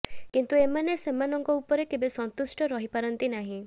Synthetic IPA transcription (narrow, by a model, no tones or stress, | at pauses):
kint̪uemanesemanɔŋkɔupɔɾekebesɔnt̪usʈɔɾɔɦipaɾɔnt̪inaɦĩ